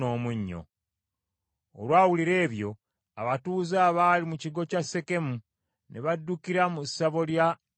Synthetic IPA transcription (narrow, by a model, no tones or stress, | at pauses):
o̞ːmuɲːo̰ | o̰lwaːwuliɾe̞ːβjo̞ | a̰βatuːzaːβaːlimuciɡo̞casːe̞ke̞mu | neβadːukiɾamusːaβo̞lja